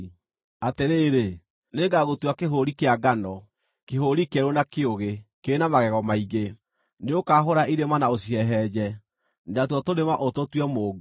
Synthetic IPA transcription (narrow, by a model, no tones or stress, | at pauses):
ateɾeːɾe | neɡaɣotwakeɦoɾikeaɡanɔ | keɦoɾikɛɾonakeoɣekeenamaɣɛɣɔmaiɣe | neokaːɦoɾaʔiɾemanaos̬iɛɦɛd͡ʑɛ | ndatwɔtonemaʔototwɛmoːɡo